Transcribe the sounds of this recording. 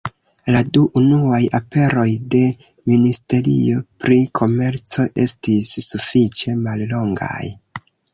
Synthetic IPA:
laduʔunuajape̞ɾo̞jde̞ | ministe̞ɾḭo̞pɾikʰo̞me̞ɾt͡so̞ʔe̞̰stisːufit͡ʃe̞mallo̞ŋɡa̰j

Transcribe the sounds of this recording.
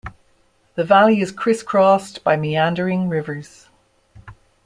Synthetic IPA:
ðəvaliɪz̥kʰɹ̥ɪskʰɹ̥ɔsb̥aɪmiãndəɹɪ̃ŋɹɪvə˞z̥

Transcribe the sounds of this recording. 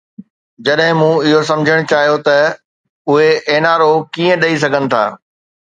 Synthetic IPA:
d͡ʑɐɗɦɪ̃mũːɪɦosɐ̃md͡ʑʱəɽ̃t͡ɕaːɦijot̪ɐ | ʊɦeeːnaːɾokiːə̃ɗɐis̬ɐɡʱənɪ̆t̪ʰa̰ː

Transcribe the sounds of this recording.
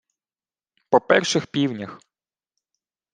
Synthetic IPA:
pɔpɛrʃɪxpʲiwnʲax

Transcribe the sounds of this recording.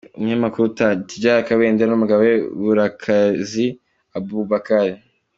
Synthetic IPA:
umɲamakuɾutatiɟaɾakaweːndeɾanumuɡaweβuɾakʰazi | abuβakaɾi

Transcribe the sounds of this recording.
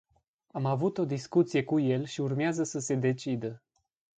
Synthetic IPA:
amavut̪o̞d̪iskut̪sije̞kuje̞lʃiurmeazəsəse̞d̪e̞t͡ʃid̪ə

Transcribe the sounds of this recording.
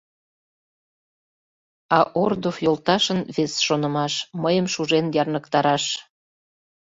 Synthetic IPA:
ɑʔord̪ofjolt̪ɑʃənβesʃonə̆mɑʃməjəmʃuʒenjɑrnəkt̪ɑɾɑʃ

